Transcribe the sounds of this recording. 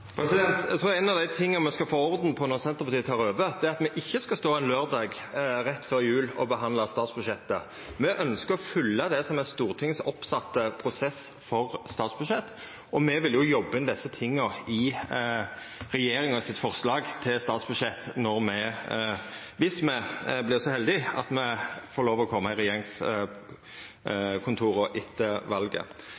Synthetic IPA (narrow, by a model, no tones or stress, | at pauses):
pʰɾɛsɪd̪ɛnt̪æt̪ʰɾuːʁɛnɑʋd̪æɪt̪ʰɪŋːɑmɛskɑfoːɔʁd̪nəpʰɔnɔʁsɛnt̪əʁpɑt̪iːət̪ʰɑːʁøːʋəd̪̥ɛæɑt̪mɛʔɪçːəskɑst̪oːɛnløːʁd̪ɑːɡ | ɾɛt̪ːføːɾjʉːlɔ̰bəɦɑnd̪lɑst̪ɑːt̪sbʉd̪ʂɛt̪ːə̰ | mɛʔœnskəɾɔfʏlːəd̪ɛsɔmɛnst̪uːʁt̪ʰɪŋsɔpsɑt̪ːəpʰɾʊsɛs | fɔʁst̪ɑːt̪sbʉd̪ʂɛt̪ː | ɔmɛʋɪljʊjɔbːəɪnd̪ɛsːət̪ʰɪŋːɔɪ | ʁɛjeːɾɪŋɔsɪt̪fɔʁslɑːɡt̪ʰɪlst̪ɑːt̪sbʉd̪ʂɛt̪ːnɔʁmɛ | ʋɪsmɛblɪʁsɔhɛld̪ɪɑ̰t̪mɛfoːɾloːʋɔkʰɔmːɑɪɾɛjeːʁɪŋs | kʰʊnt̪ʰuːɾɔʔɪt̪ʰːəʋɑlɡə̰